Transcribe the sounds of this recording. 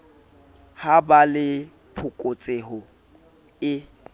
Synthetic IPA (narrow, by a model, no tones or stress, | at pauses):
habalɪ | pʰʊkʼʊt͡sʼeɦʊ | ɪ